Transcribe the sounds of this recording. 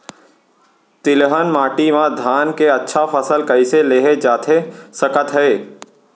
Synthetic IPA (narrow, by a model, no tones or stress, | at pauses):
t̪ɪlɦənmaːʈimãd̪ʱaːnkeətːʃʰapʰəsəlkəɪseleːɦed͡ʒaːt̪ʰesəkət̪ɦɛː